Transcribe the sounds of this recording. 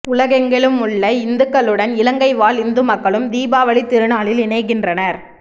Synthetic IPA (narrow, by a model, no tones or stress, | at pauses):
ʊlɐɣɐŋɡɐɭɯmʊɭːɐɪnd̪ɯkːɐlɯɽɐnɪlɐŋɡɐɪʋaːlɪnd̪ɯmɐkːɐɭɯmd̪iːbaːʋɐɭit̪ːɪɾɯnaːɭɪlɪnɐɪk̬ːɪndrɐnɐɾ